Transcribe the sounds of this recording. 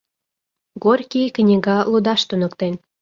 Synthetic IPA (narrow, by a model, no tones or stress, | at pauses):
ɡorʲkʲiknʲiɡɑlud̪ɑʃt̪unə̆kt̪en